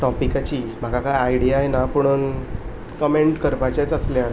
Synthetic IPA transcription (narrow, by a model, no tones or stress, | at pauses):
ʈɔpikat͡ɕiːm̤akakajaiɽijajenapəɽ̃un | kəmeɳʈkəɾpajt͡ɕajt͡səsljaɾ